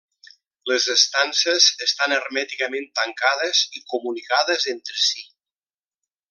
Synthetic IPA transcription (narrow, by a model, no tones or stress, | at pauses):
ləzəst̪ansəzəst̪anərmɛt̪ikəmẽnt̪əŋkaðəzikumunikaðəzent̪ɾəsi